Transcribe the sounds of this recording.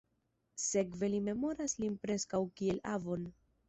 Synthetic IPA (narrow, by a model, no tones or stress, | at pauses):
se̞kve̞lime̞mo̞ɾaslinpɾe̞skawkie̞la̰vo̞n